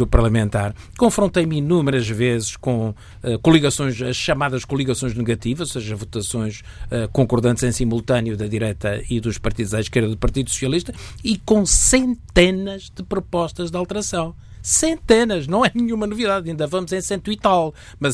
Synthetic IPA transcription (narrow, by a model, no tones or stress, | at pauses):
upɐɾlˠɐmẽnt̪aɾ | kõfɾõnt̪ejmɨnumɾɐʒvezɨʃkõ | ɛkulˠiɣɐsõj̃ʃɐʃʃɐmaðɐʃkulˠiɣɐsõj̃ʒnɨɣɐt̪ivɐzoseʒɐvut̪ɐsõj̃ʃ | ɛkõŋkuɾðɐ̃nt̪zẽj̃simulˠt̪ɐnjuðɐðiɾejt̪ɐ̰iðuʃpɐɾt̪iðuzaʃkeɾðɐðupɐɾt̪iðusu̥siɐlˠiʃt̪ɐikõsẽnt̪enɐʒðɨpɾupɔʃt̪ɐʒðalˠt̪ɨɾɐsɐ̃w̃ | sẽnt̪enɐʒnɐ̃w̃ɛnɨɲumɐnuviðaðĩnd̪ɐvɐmuzẽj̃sẽnt̪wit̪alˠ | mɐz